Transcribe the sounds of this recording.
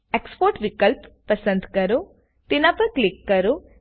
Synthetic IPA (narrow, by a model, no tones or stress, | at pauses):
ekspoːɾʈʋikɐlpːɐsɐnd̪ʱkɐɾu | t̪inɐpɐklikːɐɾu